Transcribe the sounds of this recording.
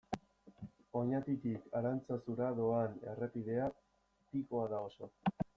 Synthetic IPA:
o̞ɲat̪it̪ikaɾant͡sasuɾaðo̞ane̞̰repiðe̞a | t̪iko̞aðao̞so̞

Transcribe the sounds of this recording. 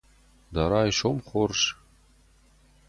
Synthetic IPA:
d̪ɑɾɑjʃomχorʃ

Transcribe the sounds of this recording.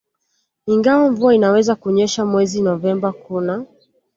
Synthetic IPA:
iŋɡawaɱvuainawɛzakuɲɛʃamwɛzinɔvɛmbakuna

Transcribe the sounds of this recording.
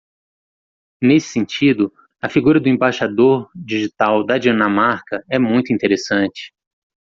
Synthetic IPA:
nesɪ̥sẽnt͡ʃid̪ʊ | ɐfiɡuɾɐd̪ʊẽbaʃad̪oɾd͡ʒiʒit̪awd̪ɐd͡ʒiɐnɐmaɾkɐɛmũj̃t̪ʊĩt̪eɾesɐ̃t͡ʃɪ̥

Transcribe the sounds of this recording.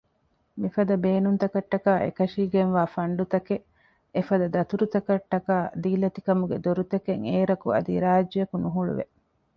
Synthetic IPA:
mifɐd̪ɐbeːnunt̪ɐkɐʈːɐkaːʔḛkɐʂiːɡenʋaːfɐɳɖut̪ɐke | efɐd̪ɐd̪ɐt̪uɾut̪ɐkɐʈːɐkaːd̪iːlɐt̪ikɐmuɡed̪oɾut̪ɐkeŋeːɾɐkṵɐ̰d̪ḭɾaːd͡ʒːɐjɐkunuɦuɭṵʋḛ

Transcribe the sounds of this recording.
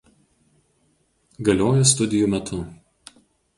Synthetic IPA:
ɡɐlʲoːjɛst̪ʊd̪ʲɪjuːmʲɛt̪ʰʊ

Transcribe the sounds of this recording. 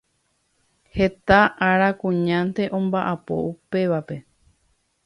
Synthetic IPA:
he̞t̪aʔaɾakũɲãnt̪e̞ʔõ̞mbaʔapo̞̰upe̞ʋape̞

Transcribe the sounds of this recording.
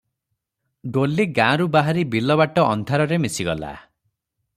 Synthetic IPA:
ɖolːiɡãɾubaɦaɾibilɔβaʈɔʔɔ̰nd̪ʱaɾɔɾemisiɡɔla̰

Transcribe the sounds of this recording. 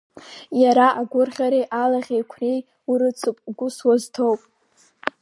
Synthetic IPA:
jaɾaʔaɡʷʊrχʲaɾiʔalaʁʲejkʷʰrej | uɾɨt͡sʰʼɡʷʊswaztʰowpʼ

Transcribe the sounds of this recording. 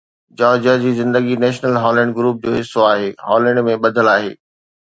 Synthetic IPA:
d͡ʑɔːd͡ʑəd͡ʑiːzɪ̃nd̪əɡinɛːʃnəlɦɔːlɛ̃ːɳɖɡɾuːp̚d͡ʑoːɦɪsːoaːɦeːɦɔːlɛ̃ɳɖmẽɓɐd̪ʱəlaːɦḛː

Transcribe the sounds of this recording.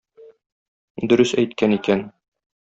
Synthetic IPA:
d̪ɵ̆ɾɵsæjt̪̚kænikæn

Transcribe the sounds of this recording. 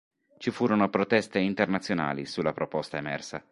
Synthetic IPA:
t͡ʃifuːɾonopɾot̪ɛst̪eint̪ernat̪sːjona̰ːlḭsulːapɾopɔst̪aemɛrsa

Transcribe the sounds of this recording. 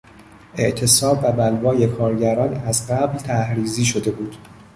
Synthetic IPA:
e̞ʔt̪ʰe̞sɒːbːæbælvɒːje̞kʰɒːɾɟæɾɒːnæzɢæblt̪ʰæhɾiːziːʃo̞d̪e̞buːd̪̥

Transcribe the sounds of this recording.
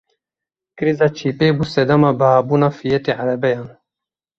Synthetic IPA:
kɨɾizɑːt͡ʃʰiːpeːbuːsɛd̪amɑːbəhaːbuːnɑːfijɛt̪eːʕaɾɛbɛjɑːn

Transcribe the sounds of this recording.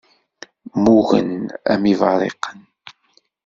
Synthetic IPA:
muɣə̰næ̰mivɑ̰ɾˤḛqən

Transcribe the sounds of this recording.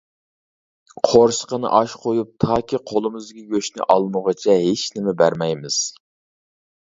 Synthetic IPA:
qʰoɾʃə̥qənɨ̰ʔɑʃqʰojup̚t̪ʰɑːkʲiqʰolˠɨmɨzɡʲɛɡʲøʃnɪ̰ʔɑlˠməʁət͡ʃʰɛɦet͡ʃnɪmɛbæɾmɛjmɪz̥

